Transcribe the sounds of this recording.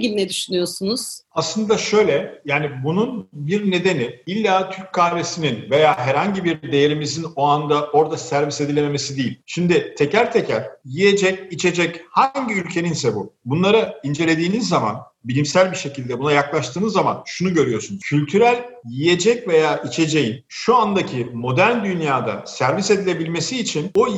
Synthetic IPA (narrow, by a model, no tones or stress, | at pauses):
ɡilʲinɛd̪yʃynyjo̞sunuz̥aslˠɯnd̪aʃø̞jlʲɛjaːnibununbiɾne̞d̪e̞niilʲːaːt̪ʰyɾc̚kʰaːɾe̞sininve̞jaːɦæɾhaɲɟibiɾd̪e̞je̞ɾimizino̞and̪aʔo̞ɾd̪asæɾvise̞d̪ilʲememe̞sid̪ijilʲʃimd̪ɪt̪ʰe̞cæɾt̪ʰecʰæɾ̥jije̞d͡ʒɛcit͡ʃʰe̞d͡ʒɛchaɲɟiylʲcʰe̞ninsɛbṵbunlˠaɾaind͡ʒelʲe̞d̪iːnizːama̰n | bilʲimsælʲbiʃe̞cilʲd̪ɛbunajaklˠaʃt̪ʰɯːnɯzːama̰nʃunuɟø̞ɾyjo̞ɾsunuzcʰylʲt̪ʰyɾælʲjije̞d͡ʒɛcve̞jaːʔit͡ʃʰe̞d͡ʒe̞jinʃuand̪acʰimo̞d̪æɾnd̪ynjaːd̪a̰sæɾvise̞d̪ilʲe̞bilʲme̞siːt͡ʃʰino